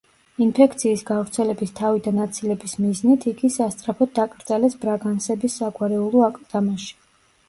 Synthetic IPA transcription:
inpʰɛkʰt̪sʰiːsɡavɾt̪sʰɛlɛbist̪ʰavid̪anat̪sʰilɛbismiznit̪ʰiɡisast̪sʼɾapʰɔd̪̚d̪akʼɾd̪zalɛsbɾaɡansɛbisːaɡwaɾɛulˠɔakʼd̪amaʃi̥

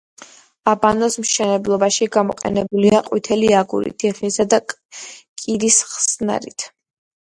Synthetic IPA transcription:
abanɔsmʃɛnɛblˠɔbaʃiɡamɔqʼɛ̰nɛbuliaqʼwit̪ʰɛliaɡṵɾḭt̪ʰiʁnisad̪a | kʼiɾisχsna̰ɾit̪ʰ

